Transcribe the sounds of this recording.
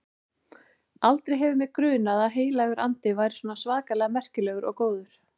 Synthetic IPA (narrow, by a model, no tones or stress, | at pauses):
alt̪ɾejɦɛvʏmɛðkɾʏːnaðaðɦeːjlajɣʏɾʔant̪ɪvaːjɾɪ̥sɔːnasvaːkalɛːɣamɛr̥cɪlɛːɣʏɾʔɔ̰ɣkoːwðʏɾ̥